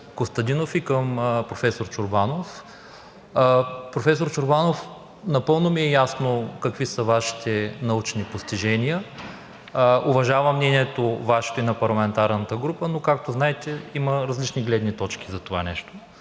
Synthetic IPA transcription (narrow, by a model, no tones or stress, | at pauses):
kost̪ɐd̪inofikəmpɾofɛsoɾt͡ʃʊɾbanof | pɾofɛsoɾt͡ʃʊɾbanof | nɐpɤlˠnomiɛjasnokɐkvisəvaʃi̥t̪ɛnɐut͡ʃnipost̪iʒɛnijə | ovɐʒavɐmnɛniɛt̪ovaʃe̥t̪oinɐpɐɾlˠɐmɛnt̪aɾnət̪əɡɾupənokak̚t̪oznaɛt̪ɛiməɾɐzlit͡ʃniɡlɛd̪nit̪ɔt͡ʃk̟i̥zɐt̪ova̰nɛʃt̪o̥